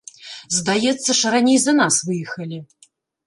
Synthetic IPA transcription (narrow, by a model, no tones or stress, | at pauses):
zd̪ajɛt̪sːɐʂɐɾanʲɛjzɐnasvɨjɛxɐlʲi